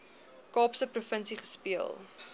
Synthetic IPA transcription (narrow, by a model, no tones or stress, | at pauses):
kɑːpsəprufənsiχə̥spiəlˠ